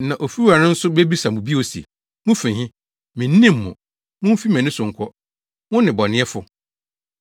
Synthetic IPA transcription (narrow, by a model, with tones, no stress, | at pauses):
nã˨ʔo˨fi˦a˨nɪ̃˦n̩˦sʊ˦be˦bi˦sa˨mʊ̃˨bi˦o˨si˨ḛ˨ | mʊ̃˦fɪ̃˨hɪ̃˦ | mɪ̃˨nː˦ĩ˦mː˨ʊ̰̃˨ | mʊ̃˦m̩˦fi˦mɛ̃˨nɪ̃˦sʊ̃˨ŋ̩˨kʰɔ˦ | wʊ̃˦nɪ̃˨bɔ˨nɪ̃˦ɛ˦fʊ˦